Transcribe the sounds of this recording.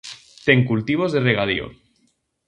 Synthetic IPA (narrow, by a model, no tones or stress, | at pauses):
t̪eŋkult̪iβ̞ozðereɣ̞að̞ḭo̰